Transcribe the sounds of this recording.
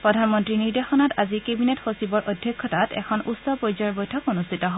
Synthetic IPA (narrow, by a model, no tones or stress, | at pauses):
pɹɔdʱanmɔntɹiniɹdexɔnatazikebinetxosibɔɹʔodʱjɔkʰːɔtatɛ̰kʰɔnusɔpojzɔɹbɔjtʰɔkonustʰitɔɦɔ